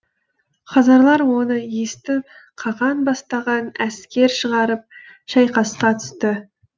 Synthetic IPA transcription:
χɑzɑɾlˠɑɾwo̞nəjest̪ɪp̚ | qʰɑʁɑnbɑst̪ɑʁɑnæskʲe̞ɾʃəʁɑɾəp̚ | ʃɑjqɑsqɑt̪ʰʏ̥st̪ə

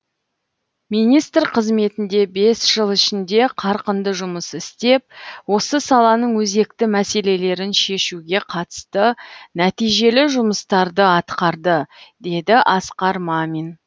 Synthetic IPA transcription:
minijst̪rqʰəzme̞t̪ɪnd̪e̞be̞sʒ̥əlˠɪʃɪnd̪e̞qʰɑɾqənd̪əʒʊməsɪst̪e̞p̚wo̞səsɑlˠɑnəɴwɵze̞kt̪ɪmæse̞le̞le̞ɾɪnʃe̞ʃuɡʲe̞qʰɑt̪ə̥st̪ənæt̪ijʒe̞lɪʒʊməst̪ɑɾd̪əɑt̪qɑɾd̪əd̪e̞d̪ɪʔɑsqɑɾmɑmin

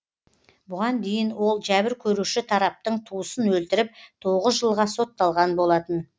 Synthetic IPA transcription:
bʊʁɑnd̪e̞jɪnwo̞lˠʒæbɪɾkʲʰɵɾuʃɪt̪ʰɑɾɑp̚t̪əɴt̪ʰuəsənwɵlt̪ɪɾɪp̚t̪ʰo̞ʁəzʒəlˠʁɑso̞t̪ːɑlˠʁɑnbo̞lˠɑt̪ən

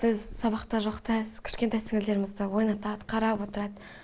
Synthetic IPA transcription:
b̥ɪzsɑβɑqt̪ɑʒo̞qt̪æskʲʰɪ̥ʃkʲe̞t̪ɑjsɪŋɪzle̞ɾɪmɪzd̪əwo̞jnɑt̪ɑd̪əqʰɑɾɑpwo̞t̪əɾɑd̪ə

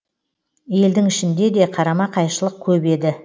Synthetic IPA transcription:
je̞ld̪ɪŋɪʃɪnd̪e̞d̪e̞qʰɑɾɑmɑqʰɑjʃəlˠəq̚kʲʰɵbe̞d̪ɪ

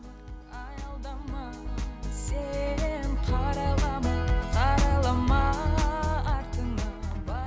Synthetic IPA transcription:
ɑjɑlˠd̪ɑmɑsenqʰɑɾɑlˠɑmqʰɑɾɑlˠɑmɑ | ɑɾt̪ənɑbɑ

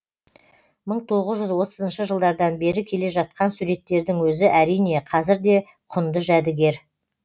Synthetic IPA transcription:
məɴt̪ʰoʁəzʒʏzwo̞t̪əzənʃəʒəlˠd̪ɑɾd̪ɑnbe̞ɾɪkʲʰe̞le̞ʒɑt̪̚qɑnsuɾe̞t̪ːe̞ɾd̪ɪŋwɵzɪʔæɾijne̞qʰɑzɪɾd̪e̞ | qʰʊnd̪əʒæd̪ɪɡʲe̞ɾ

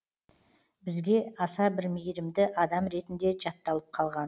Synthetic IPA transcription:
bɪzɡʲe̞ɑsɑbɪɾmejɾɪmd̪ɪʔɑd̪ɑmɾe̞t̪ɪnd̪e̞ʒɑt̪ːɑlˠəp̚qʰɑlˠʁɑn

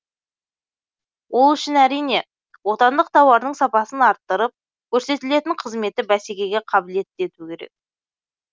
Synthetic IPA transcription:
wo̞lˠʏʃɪnæɾijne̞ | wo̞t̪ɑnd̪əq̚t̪ʰɑwɑɾd̪əɴsɑpɑsənɑɾt̪ːəɾəp̚ | kʲʰɵɾse̞t̪ɪle̞t̪ɪɴqʰəzme̞t̪ɪbæse̞kʲe̞ɡʲe̞qʰɑbɪle̞t̪ɪd̪e̞t̪ukʲʰe̞ɾe̞̰k̚

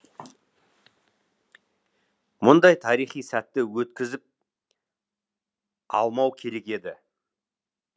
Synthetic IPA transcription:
mʊnd̪ɑjt̪ʰɑɾijχijsæt̪ːɪwɵt̪̚kʲɪzɪp̚ | ɑ̰lˠmɑwkʲʰe̞ɾe̞kʲe̞d̪ɪ

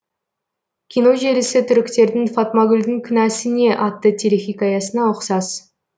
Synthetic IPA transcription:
kʲʰijno̞ʒe̞ɾɪsɪt̪ʰʏɾɪkʲt̪e̞ɾd̪ɪŋfɑt̪mɑɡʲʏlʲd̪ɪŋkʲʰʏnæsɪne̞ʔɑt̪ːət̪ʲʰeɾexʲijkɑjɑsənɑoqsɑs

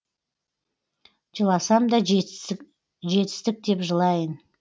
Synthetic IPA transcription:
ʒəlˠɑsɑmd̪ɑ | ʒe̞t̪ɪ̥st̪ɪk̚d̪e̞pʒəlˠɑjən

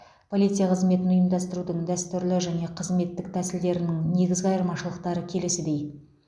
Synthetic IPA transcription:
pʰo̞lʲijt̪sɨjaqʰəzme̞t̪ɪnʊjəmd̪ɑst̪əɾud̪əŋd̪æst̪ʏɾlɪʒæne̞qʰəzme̞t̪ːɪk̚t̪ʰæsɪld̪e̞ɾɪnɪŋne̞ɡʲɪzɡʲɑjəɾmɑʃəlˠəq̚t̪ɑɾəkʲʰe̞lɪsɪd̪e̞j

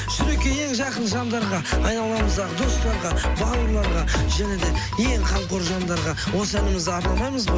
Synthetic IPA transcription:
ʃʏɾekʲee̞ŋʒɑqənʒɑnd̪ɑɾʁɑɑjnɑlˠɑməzd̪ɑʁəd̪o̞st̪ɑɾʁɑbɑwəɾlˠɑɾʁɑʒæne̞d̪e̞ | je̞ŋqʰɑɴqoɾʒɑnd̪ɑɾʁɑ | wo̞səænɪmɪzd̪ɪɑɾt̪ɑlˠɑməzb

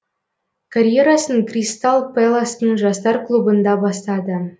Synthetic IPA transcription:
karʲjeɾɑsənkrʲist̪ɑlˠpelˠasnəŋʐɑst̪ɑrklˠubə̆nd̪ɑbɑst̪ɑd̪ə̆

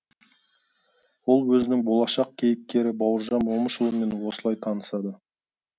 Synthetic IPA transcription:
wo̞lˠwɵzɪnɪŋbo̞lˠɑʃɑq̚kʲʰe̞jɪp̚k̪ʲe̞ɾɪbɑwəɾʒɑnwo̞məʃəlˠəme̞nwo̞səlˠɑjt̪ʰɑnəsɑd̪ə

